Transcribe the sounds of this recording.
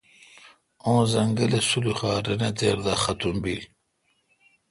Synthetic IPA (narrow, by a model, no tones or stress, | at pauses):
õːzɐŋɡəlesuluχaːɾenet̪eːɾd̪axat̪umbil